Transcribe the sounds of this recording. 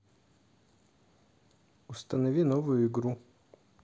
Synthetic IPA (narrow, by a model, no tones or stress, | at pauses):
ʊst̪ənɐvʲinovʊjʊɪɡɾu